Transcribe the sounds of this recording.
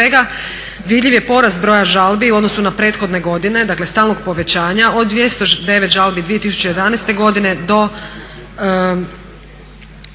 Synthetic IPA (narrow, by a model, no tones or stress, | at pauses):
eɡa | ʋid̪ʎiʋje̞po̞ɾast̪̚bɾo̞ːjaʒalˠbiuod̪no̞sunapɾe̞t̪xo̞d̪ne̞ɡo̞d̪ine̞d̪akle̞st̪aːlˠno̞ɡpo̞ʋe̞t͡ɕaːɲaod̪d̪ːʋje̞st̪od̪e̞ʋet̪ʒalˠbid̪ʋiet̪isu̥t͡ɕe̞jed̪anajst̪e̞ɡo̞d̪ine̞d̪o̞